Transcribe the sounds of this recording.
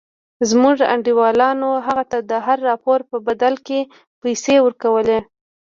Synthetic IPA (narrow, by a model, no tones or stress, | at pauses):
zmuʐa̰ɳɖiwɑlɑnoɦaɣat̪ad̪əɦaɾːɑpoɾpəbad̪alke | pajsewəɾkawəle